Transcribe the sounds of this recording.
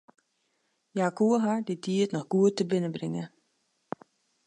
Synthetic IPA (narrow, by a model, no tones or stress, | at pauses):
jakuəɦadidiətnɔxɡuətːəbɪnəbrɪŋə